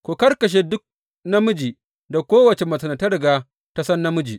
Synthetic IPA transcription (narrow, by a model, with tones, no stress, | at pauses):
kʷo˨kɐ˦rkɐ˨ʃ̬eː˦dʊ˦k̚ | nɐ˦mʊ˦d͡ʒiː˨ | da˨kʷoː˦wɐ˨t͡ʃe˨mɐ˨sɐ˨nɐ˨tɐ˦ɾɪ˨ɡaː˦ | ta˦sɐ˦nːa˦mʊ˦d͡ʒḭː˨ʔ